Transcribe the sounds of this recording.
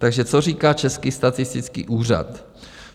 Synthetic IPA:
t̪aɡʒɛt͡sor̝iːkaːt͡ʃɛskist̪at̪ɪst̪ɪt͡skḭːʔuːra̰t̪

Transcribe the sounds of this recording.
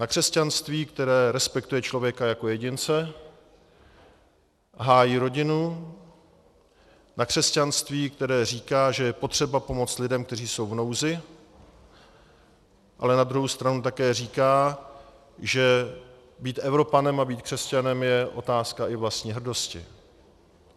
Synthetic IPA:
nakr̥ɛscanst̪viːkt̪ɛɾɛːɾɛspɛkt̪ujɛt͡ʃlo̞vjɛkajako̞jɛɟɪnt͡sɛ | ɦaːjiːɾo̞ɟɪnu | nakr̝̥ɛscanst̪viːk̚t̪ɛɾɛːriːkaːʒɛjɛpot̪r̝̥ɛbapo̞mo̞t͡st̪lɪdɛmk̚t̪ɛriːso̞wvno̞wzɪ | ʔa̰lɛnad̪ɾuɦowst̪ɾanut̪akɛːriːkaː | ʒɛ | biːt̪ʔɛvɾo̞panɛmabiːt̪̚kr̝̥ɛscanɛmjɛʔo̞̰t̪aːskaʔɪvlast̪ɲiːɦr̩do̞scɪ̰

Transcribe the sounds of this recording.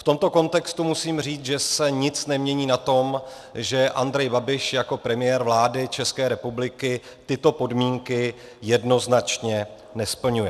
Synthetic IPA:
ft̪o̞mt̪o̞ko̞nt̪ɛkst̪umusiːmr̝iːt͡sʒɛsɛɲɪt͡snɛmɲɛɲiːnat̪o̞m | ʒɛʔand̪ɾɛjbabɪʃjako̞pɾɛmɪjɛːɾvlaːdɪt͡ʃɛskɛːɾɛpublɪkɪ | t̪ɪt̪o̞po̞dmiːŋkɪ | jɛdno̞znat͡ʃɲɛ | nɛspl̩ɲujɛ

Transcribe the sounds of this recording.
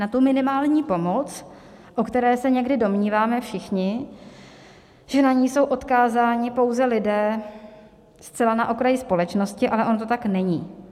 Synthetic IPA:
nat̪umɪnɪmaːlɲiːpo̞mo̞t͡s | ʔokt̪ɛɾɛːsɛɲɛɡdɪdo̞mɲiːvaːmɛfʃɪxɲɪ | ʒ̥ɛnaɲiːso̞wʔo̞t̪kaːzaːɲɪpo̞wzɛlɪdɛː | st͡sɛlanaʔo̞kɾajɪspo̞lɛt͡ʃno̞scɪʔalɛʔo̞nt̪ot̪aknɛɲiː

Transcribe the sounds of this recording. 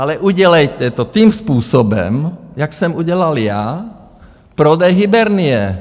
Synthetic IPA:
alɛʔuɟɛlɛjcɛt̪ɔt̪iːmspuːsɔbɛ̰mjaksɛmuɟɛlalja | pɾɔd̪ɛjɦibɛɾniɛ

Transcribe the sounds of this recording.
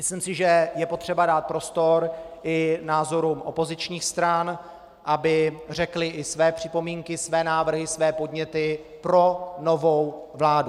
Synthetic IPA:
mɪslimsɪʒɛjɛpo̞t̪r̝̥ɛbadaːt̪̚pɾo̞st̪o̞ɾʔɪnaːzo̞ɾumʔo̞po̞zɪt͡ʃɲiːxst̪ɾan | ʔabɪr̝ɛklɪʔɪsvɛːpr̥ɪpo̞miːŋkɪsvɛːnaːvr̩ɦɪsvɛːpo̞dɲɛt̪ɪ | pɾo̞no̞vo̞wvlaːdu

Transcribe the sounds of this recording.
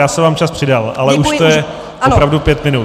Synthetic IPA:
jaːsɛvaːmt͡ʃaspr̥ɪdalʔalɛʔuʃt̪ojɛ | ʔopɾavdupjɛt̪mɪnut̪

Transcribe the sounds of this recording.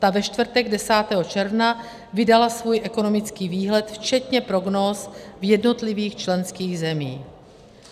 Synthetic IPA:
t̪avɛʃt̪vr̩t̪ɛɡdɛsaːt̪ɛɦo̞t͡ʃɛɾvna | vɪdalasvuːjʔɛko̞no̞mɪt͡skiːviːɦlɛt̪ft͡ʃɛt̪ɲɛpɾo̞ɡnoːsvjɛdno̞t̪lɪviːxt͡ʃlɛnskiːɣzɛmiː

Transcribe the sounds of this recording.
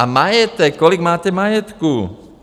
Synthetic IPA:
amajɛt̪ɛkːɔliɡmaːcɛmajɛt̪kuː

